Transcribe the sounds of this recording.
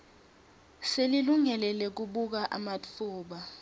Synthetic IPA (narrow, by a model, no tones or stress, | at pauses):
seliluŋɛlɛlɛk̬uɓuk̬aʔa̰mat͡fʰuːɓa